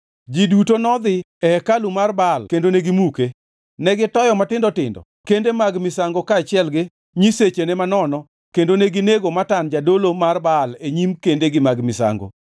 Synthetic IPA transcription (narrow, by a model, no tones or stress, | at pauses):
d͡ʒidutonɔd̪ɪ | ɛkalumarbalkendoneɡimuke | nɛɡɪtɔjɔmatɪndɔtɪ̰ndɔ̰ | kendemaɡmɪsaŋɡokaːt͡ʃɪɛlɡɪ | ɲiset͡ʃenɛmanɔnɔ | kendoneɡɪneɡomatand͡ʒadolomarbaleɲimkendeɡɪmaɡmɪsa̰ŋɡo̰